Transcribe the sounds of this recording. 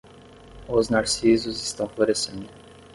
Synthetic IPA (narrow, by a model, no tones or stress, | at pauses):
ʊznaɾsizʊzɪst̪ɐ̃w̃floɾesẽnd̪ʊ